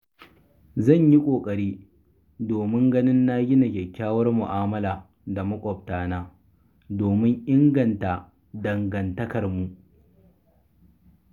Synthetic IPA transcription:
zɐ˦˨ɲji˦kʷʼoː˨kʼɐ˨ɽiː˦ | doː˨mɪ˦ŋɡɐ˦nɪ˦nːaː˦ɡʲɪ˦na˨kʲɛ˨kʲːaː˦wɐ˦rmʊ˨ʔaː˦mɐ˦laː˨ | da˨mɐ˦kʷʼɔ˨ptaː˨naː˦ | doː˨mɪ˦ŋʔɪ˦ŋɡɐ˨nta˨ | dɐ˨ŋɡɐ˨ntɐ˦kɐ˨rmu˨ʔ

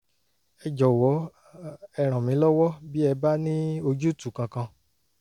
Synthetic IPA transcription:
ɛ˧d͡ʒɔ˨wɔ˨˦ | ɛ˧˨ɾ̃ã˨mĩ˨˦lɔ˦wɔ˦bi˦ɛ˧ba˦nĩ˦o˧d͡ʒu˦˨tu˨kã˧kã˧

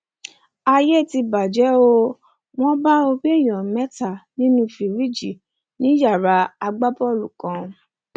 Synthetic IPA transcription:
a˧je˦˨ti˧ba˨d͡ʒɛ˨˦o˧ | w̃ɔ̃˦ba˦o˧bi˦˨j̃ɔ̃˨mɛ˦ta˨nĩ˦nũ˧˦fi˨ɾi˦d͡ʒi˨ | nĩ˨˦ja˦˨ɾa˨˧˦a˧ɡ͡ba˦pɔ˦˨lu˨kã˨˧˦

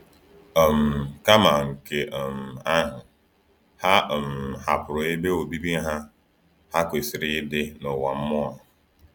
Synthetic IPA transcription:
ɔ˨m̩˨ka˦ma˨ŋ̩˨ke˨ʔɔ˨m̩˨a˦ɦʊ˨ | ha˦˨m̩˨ha˨pʊ˨ɾʊ˨e˦be˦o˨bi˦bi˦ɦa˦ | ha˦kʷe˨si˨ɾɪ˦dɪ˦nʊ˨wa˨m̩˦mɔ˦a˨

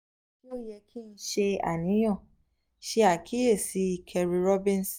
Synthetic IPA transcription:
ki˦o˦jɛ˧kʰi˦n̩˦ʃe˧a̰˨nĩ˨˦j̃ɔ̃˦˨ | ʃe˧˦a˦˨ki˦e˦˨si˨˦˧kʰɛ˧ɾi˧ɾɔ˦bĩ˦n˨s

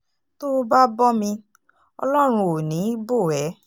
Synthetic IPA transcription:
to˦ba˦bɔ˦mĩ˧ | ɔ̰˧lɔ˦ɾ̃ũ˧o˨nĩ˨˦bo˦˨ɛ˨˦

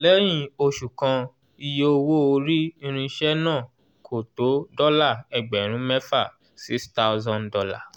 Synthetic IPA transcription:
lɛ˦j̃ĩ˦˧˨o˧ʃu˨kã˧ | i˧je˦o˧wo˦o˧ɾi˦ĩ˧ɾ̃ĩ˧ʃɛ˦nãː˦˨ | kʰo˨to˨˦dɔ˦la˦˨ɛ˨ɡ͡bɛ˨ɾ̃ũ˨˦mɛ˦fa˦˨ | si˦sta˦ʊ˧zã˦˧ndɔ˧la̰˦˨

